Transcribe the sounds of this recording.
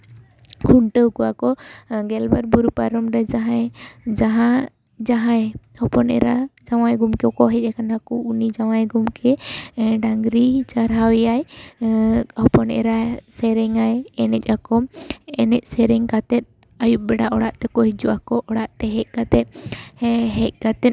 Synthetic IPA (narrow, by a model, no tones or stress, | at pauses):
kʰuɳʈəwkɔakɔɡɛlbaɾbuɾupaɾɔmɾɛd͡ʒaɦãjd͡ʒaɦã | d͡ʒaɦãj | hɔpɔnɛ̰ɾad͡ʒawajɡumkɛkɔɦɛc̚ˀɛkʰanɾakɔunid͡ʒawajɡumkʰɛɖaŋɡɾit͡ʃaɾɦawjaj | hɔpɔnɛ̰ɾasɛɾɛŋajɛnɛc̚ˀakɔmɛnɛc̚sɛɾɛŋkat̪ɛt̪̚ | ajup̚bɛɖaʔɔɽaʔt̪ɛkɔɦid͡ʒuʔakɔʔɔɽaʔt̪ɛɦɛc̚kat̪ɛt̪̚ | ɦɛc̚kat̪ɛt̪